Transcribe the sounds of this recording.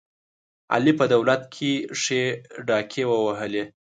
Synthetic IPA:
a̰lipəd̪awlat̪̚kʰeʂeɖɑkʰewəwaɦəle

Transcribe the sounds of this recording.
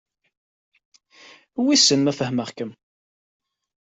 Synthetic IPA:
wisənmæfəhməʁkəm

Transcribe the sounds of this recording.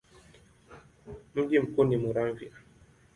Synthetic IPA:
m̩ɡim̩kunimuɾaɱvḭa

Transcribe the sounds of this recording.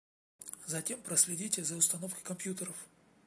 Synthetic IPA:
zɐtʲe̞mpɾəsʲlʲɪdʲitʲɪzəʊst̪ɐno̞fkʲɪ̥kɐmpʲjut̪əɾəf

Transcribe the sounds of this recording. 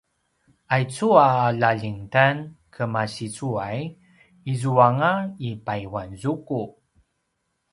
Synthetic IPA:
ajt͡suaːlaʎiŋtankʰəmaɕit͡suaj | izuaŋaipajwanzuku

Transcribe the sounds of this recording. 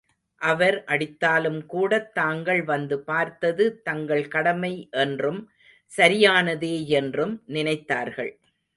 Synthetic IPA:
ʔɐʋɐɾʔɐɽɪt̪ːaːlɯmkuːɽɐt̪ːaːŋɡɐɭʋɐnd̪ɯpaːɾt̪ɐðɯt̪ɐŋɡɐɭkɐɽɐmɐɪʔɛndrɯm | sɐɾɪjaːnɐðeːɛndrɯmnɪnɐɪt̪ːaːɾɣɐɭ

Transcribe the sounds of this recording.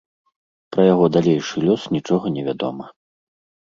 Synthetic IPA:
pɾɐjaɣɔd̪alʲejʂɨlʲɔsnʲit͡ʂɔɣɐnʲɛvʲad̪ɔ̰mɐ

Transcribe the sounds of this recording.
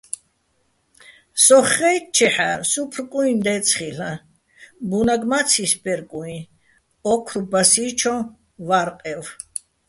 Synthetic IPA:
sɔχɛj̪̚t͡ʃʰɛħa̰supʰrkʼuind̪ɛt̪sʰχiɬa | bunaɡmat̪sʰisbɛɾkʼuĩ | ɔkʰɾubasit͡ʃʰɔ | vaɾqʼɛv

